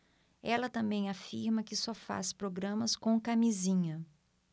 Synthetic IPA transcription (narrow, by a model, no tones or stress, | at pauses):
ɛlɐt̪ɐ̃mbẽj̃afiɾmɐkɪsɔfa̰spɾoɡɾɐ̃mɐskõkamizĩɲɐ